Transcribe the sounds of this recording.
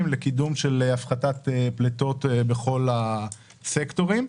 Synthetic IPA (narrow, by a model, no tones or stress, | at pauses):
imlekidumʃe̞leafχatat̪eplet̪o̞t̪beχo̞la | sekto̞ʁim